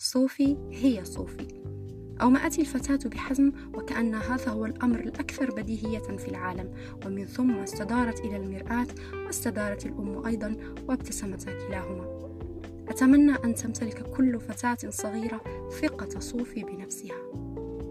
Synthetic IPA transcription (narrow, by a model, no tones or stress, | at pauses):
sˤuːfi | hɪjːasˤuːfi | ʔawmaʔat̪ilfat̪aːt̪bɪħazm | wɪkaʔanːaɦaːðahʊwalʔamɾalʔakθɑɾˤbad̪iːɦɪjːafilʕaːlam | wɪmɪnθʊmːast̪ad̪ɑːɾˤɑt̪ʔɪlalmɪɾʔaːt̪ | wɪst̪ad̪ɑːɾˤɑt̪alʔʊmːʔɑjd̪ˤɑn | wɪbt̪asamat̪akɪlaːɦʊmaː | ʔat̪amanːaʔant̪amt̪alɪkkʊlːfat̪aːt̪sˤɑɣiːɾa | θɪqɑsˤuːfibɪnafsɪha